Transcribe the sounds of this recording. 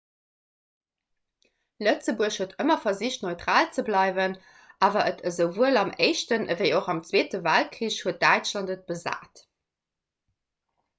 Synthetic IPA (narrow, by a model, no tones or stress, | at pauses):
lət͡səbuəɕhuətʰəmɐfɐziɕtnoɪtʁaːlt͡səblɑɪvən | aːvɐʔətʰəzəʊvuəlɑmeɪʃtənvəɪoχɑmt͡sweːtəvælt̚kʀiːɕhuət̚d̥æɪt͡ʃlɑntət̚b̥əza̰ːt